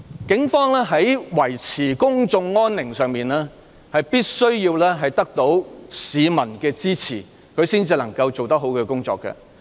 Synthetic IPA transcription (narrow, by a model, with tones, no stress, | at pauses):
kɪ˨˥ŋfɔː˥ŋlɛː˥ɦɐ˨˥jwɐ˨˩jt͡sʰiː˨˩kʊ˥ŋt͡sʊ˧ŋːɔː˥nːɪ˨˩ŋsœː˨ŋmiː˨nɛː˥ | hɐ˨jpiː˥t̚sɵ˥ɥjiː˧wlɛː˥ɦɐ˨jt̪ɐ˥k̚t̪o˨˥wsiː˨˧mɐ˨˩nkɛː˧t͡siː˥t͡sʰiː˨˩ | kʰɵ˨˧ɥsiː˥nt͡siː˧lɐ˨˩ŋkɐ˧wt͡so˨wt̪ɐ˥k̚ɦo˨˥wkɛː˧kʊ˥ŋt͡sɔ̰ː˨kːɐ̰˧